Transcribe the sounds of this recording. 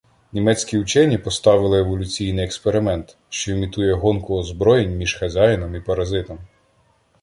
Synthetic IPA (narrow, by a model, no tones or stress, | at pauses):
nʲimɛt͡sʲkʲiwt͡ʃɛnʲipɔst̪ɑʋɪlˠɪeʋɔlʲʊt͡sʲijnɪjɛkspeɾɪmɛnt̪ | ʃt͡ʃɔimʲit̪ujɛɦɔnkʊɔzbɾɔjenʲmʲiʒxɐzʲajnɔmipɐɾɐzɪt̪ɔm